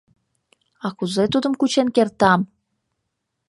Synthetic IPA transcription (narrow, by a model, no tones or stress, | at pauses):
ɑkuzet̪ud̪ə̆mkut͡ɕenkert̪ɑm